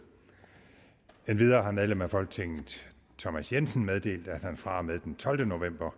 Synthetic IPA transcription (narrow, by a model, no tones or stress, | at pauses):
enʋið̞ˠɐːɦɑ̈meðˠlemæfɒ̽lɡ̥ə̥t͡sʰe̝ŋn̩ | t͡sʰɒmæsjensən̩með̞ˠd̥e̝̰ːld̥æd̥hænfʁɑ̈með̞ˠd̥ent͡sʰɒ̽ld̥əno̝ʋem̰b̥ɐ